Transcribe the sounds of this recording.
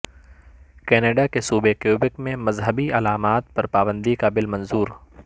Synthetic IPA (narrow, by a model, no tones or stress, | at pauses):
kɛːneːɖakesuːbekjuːbɪkmẽmɐzɦəbiɐlaːmaːt̪̚pɐɾpaːbə̃nd̪ikabɪlmɐ̃nzuːɾ